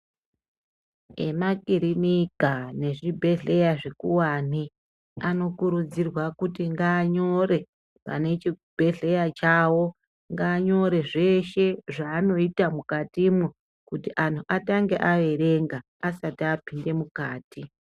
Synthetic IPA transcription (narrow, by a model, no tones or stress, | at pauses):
e̞̰makiɾinikane̞ʐibʱe̞ɮe̞jaʐekuwan̤i | ano̞kuɾud͡zirwakutiŋɡaːɲo̞ɾe̞ | pa̰ne̞t͡ʃibʱe̞ɮe̞jat͡ʃawo̞ | ŋɡaːɲo̞ɾe̞ʐe̞ʃe̞ʐaːno̞itamukatimu | kutiʔantʰuʔataŋɡe̞ʔaʋe̞ɾeŋɡaːsatiapinde̞mukaːti